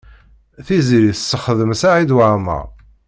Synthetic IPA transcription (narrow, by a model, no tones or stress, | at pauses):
θiziɾiθsːəχəðəmsaʕid̪waʕmæ̰